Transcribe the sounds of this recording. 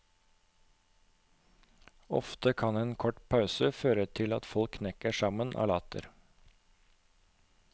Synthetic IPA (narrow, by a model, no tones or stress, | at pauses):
ɔ̰ft̪əkʰɑneːnkʰɔʈpʰɑʉsəføːɾət̪ʰɪlɑ̰t̪fɔlkʰːnɛkəʃɑmənʔɑ̰ːlɑːt̪ə̰ɾ